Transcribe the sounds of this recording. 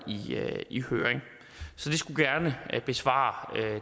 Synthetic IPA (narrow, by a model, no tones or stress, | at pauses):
iihøːɐeŋ | sɒ̽d̥e̝sɡ̥uɡ̥æɐnəb̥e̝sʋɑ̰̈ːø